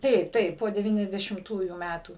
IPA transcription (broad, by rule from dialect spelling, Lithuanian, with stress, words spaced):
ˈtɐɪp ˈtɐɪp poː dʲɛˌʋʲiːnʲɛzʲdʲɛʃʲɪmˈtuːjuː ˈmʲætuː